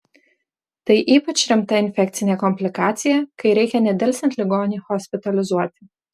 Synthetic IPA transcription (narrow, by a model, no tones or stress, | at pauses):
t̪ɐɪʔiːpɐt͡ʃʲɾʲɪmt̪ɐɪnʲfʲɛk̚ʲt̪sʲɪnʲeːkɔmʲpʲlʲɪkɑːt̪sʲɪjɛkɐɪɾʲɛɪkʲɛnʲɛd̪ʲɛlʲsʲɛnt̪ʲlʲɪɡoːnʲiːxɔsʲpʲɪt̪ɐlʲɪzuɔt̪ʲɪ̥